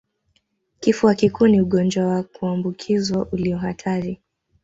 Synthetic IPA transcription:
kifuwakikuːniuɠɔnd͡ʒwawakuambukʰizwaʔuliɔhatʰaɾi

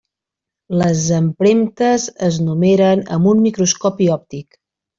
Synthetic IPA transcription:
ləzəmpɾemt̪əzəznumeɾənə̰mbunmikɾuskɔpiɔp̚t̪ik

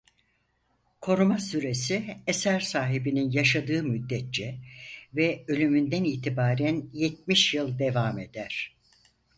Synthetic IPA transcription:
kʰo̞ɾumasyɾe̞siesæɾsaːɦibininjaʃad̪ɯːmyd̪ːɛt̪̚t͡ʃɛvɛø̞lʲymynd̪æniːt̪ʰibaːɾænjet̪̚miʃjɯlˠd̪e̞vaːme̞d̪æɾ̥

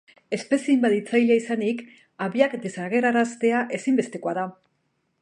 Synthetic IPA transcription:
e̞spe̞siimbat̪it͡sajleaisanik | aβiakd̪e̞saɣe̞ɾaɾast̪e̞aʔe̞simbe̞st̪e̞ko̞aða

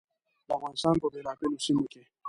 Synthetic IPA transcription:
lawãn̩saŋkɔbɛlakɛnusimukɛ

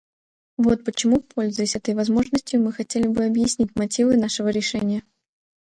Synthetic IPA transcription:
vo̞t̪̚pət͡ɕɪmupʰo̞lʲzʊjɪsʲɛt̪əjvɐzmo̞ʐnəsʲtʲjʊmɨxɐtʲelʲɪbɨɐbjɪsʲnʲitʲmɐtʲivɨnaʂɨvəɾʲɪʂɛnʲɪjə

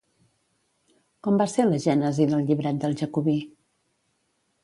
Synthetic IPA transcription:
kɔmbaseləʒɛnəziðəlˠʎiβɾat̪̚d̪əlˠʒəkuβi

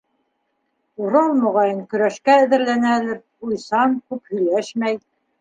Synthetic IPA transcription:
uɾɑlˠmŏʁɑjɤŋkɵ̆ɾæʃkæɘ̆ðɘ̆ɾlænæ̆lɘp̚ | ujsɑnkʉphɵ̆jlæʃmæj

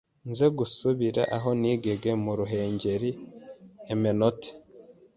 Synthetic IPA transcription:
nze̞ɡusuβiɾa̰ʔaɦo̞niːɡe̞ɡe̞muɾuɦe̞ːɲɟe̞ɾi | emenote̥

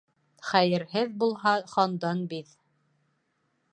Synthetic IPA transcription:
χæjɘ̆ɾɦɘðbulˠɦɑχɑnd̪ɑnbið

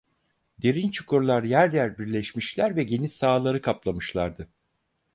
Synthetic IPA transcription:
d̪̥e̞ɾint͡ʃʰu̥kʰuɾlˠaɾjæɾjæɾbiɾlʲɛʃmiʃlʲæɾvɛɟe̞nisaːlˠaɾɯkʰaplˠamɯʃlˠaɾd̪ɯ

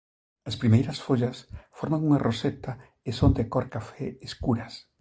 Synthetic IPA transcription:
ɐspɾimejɾɐsfoʎɐsfoɾmaŋuŋarʔoset̪a | esond̪ekoɾkafɛeskuɾɐs

